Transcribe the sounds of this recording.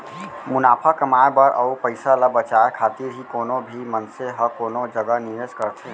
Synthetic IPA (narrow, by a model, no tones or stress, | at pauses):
mʊnaːpʰakəmaebəɾʔə̰upəɪsaləbət͡ʃaekʰat̪iɾɦikoːnobʱimənseɦəkoːnod͡ʒəɡəniɾeskəɾt̪ʰẽ